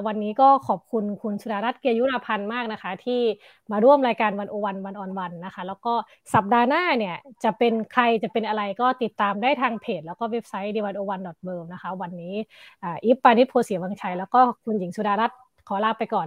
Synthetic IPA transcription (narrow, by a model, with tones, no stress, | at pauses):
wa˧nːiː˦˥kɔː˥˩kʰɔː˨˩p̚kʰu˧nkʰu˧nsu˧˥daː˧ɾa˦˥t̪̚ki˧əju˦˥la˧pʰa˧nmaː˥˩k̚na˦˥kʰa˦˥t̪ʰiː˥˩ | maː˧ɾu˥˩əmɾaː˧jkaː˧nwa˧nʔoː˧wa˧nwa˧nʔɔː˨˩nwa˧nːa˦˥kʰa˦˥lɛː˦˥wkɔː˥˩ | sa˨˩p̚daː˧naː˥˩ni˧˩ɐt͡ɕa˨˩pe˧nkʰa˧jt͡ɕa˨˩pe˧nʔa˧ɾa˧jkɔː˥˩t̪i˨˩t̪ːaː˧mdaː˥˩jt̪ʰaː˧ŋpʰeː˨˩t̪̚lɛː˦˥wkɔː˥˩we˦˥p̚sa˦˥jdiː˧wa˧nʔoː˧wa˧ndɔː˨˩t̪̚bɤː˧mna˦˥kʰa˦˥wa˧nːiː˦˥ʔaː˨˩ʔi˦˥pːaː˧ni˦˥t̪̚pʰoː˧si˩˦waː˧ŋt͡ɕʰa˧jlɛː˦˥wkɔː˥˩kʰu˧nji˨˩˦ŋsu˧˩daː˧ɾa˦˥t̪̚ | kʰɔː˨˩˦laː˧˩pːa˧jkɔː˨˩n